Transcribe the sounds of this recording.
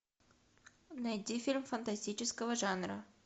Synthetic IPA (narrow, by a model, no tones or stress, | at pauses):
nɐjdʲifʲilʲmfənt̪ɐsʲtʲit͡ɕɪskəvəʐanɾə̰